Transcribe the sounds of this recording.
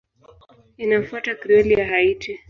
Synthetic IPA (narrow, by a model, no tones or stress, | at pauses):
inafuatakɾiɛliahaiti